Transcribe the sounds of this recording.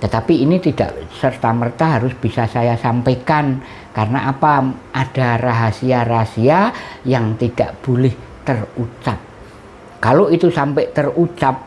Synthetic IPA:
t̪ət̪apiːnit̪id̥a̰ʔsərt̪amərt̪aɦaɾʊsb̥isasajasampekan | karnaʔapaad̥a̤raɦasiarasiajaŋt̪id̥aʔb̥olɪht̪ərut͡ʃap̚ | kaloit̪usampɛʔt̪ərut͡ʃap̚

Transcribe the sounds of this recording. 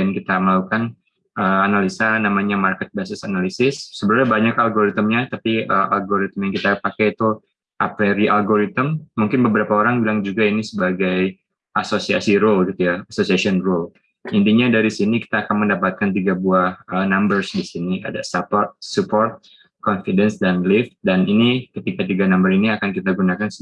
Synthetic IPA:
ankit̪aməlaukan | əanalisanamaɲamarkɛt̪̚basɪsanalisɪsːəbəɾurɲabaɲakalɡoɾit̪əmɲat̪apiəʔa̰lɡoɾit̪əmjaŋkit̪apakajt̪u | ʔapeɾiʔalɡoɾit̪əmːuŋkɪnbəbəɾapaoɾaŋbilaŋd͡ʒuɡainisəbaɡaj | ʔasosia̰siɾolɡit̪ujaasosiasiɔnrol | int̪iɲadaɾisiniki̥t̪aːkanməndapat̪̚kant̪̬iɡabuahənambərsdisinia̰da̰sapɔrt̪̚supɔrt̪̚ | kɔnfidɛnsdanlɪft̪̚daninikət̪ikat̪iɡanambəɾiniakankit̪aɡunakans

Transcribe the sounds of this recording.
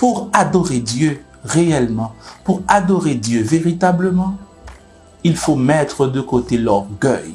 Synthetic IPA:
puʁad̪ɔʁed̪jø | ʁeɛlmɑ̃puʁad̪ɔʁed̪jøveʁit̪abləmɑ̃ | ilfomɛt̪χəd̪əkot̪elɔʁɡœj

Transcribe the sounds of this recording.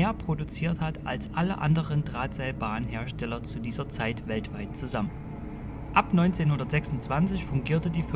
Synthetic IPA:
eːɐpʁ̥odut͡siːɐthatʔa̰lsʔaləʔa̰ndəʁəndʁaːtz̥ɛɪlbaːʁənɦeːɐʃtɛlɐt͡sudiːzɐt͡saɪtv̥ɛltv̥aɪtt͡suzamən | ʔapnɔʏnt͡seːnhʊndɐtz̥ɛksʊnt͡sv̥ant͡sɪçfʊŋɡiːɐtədiːf

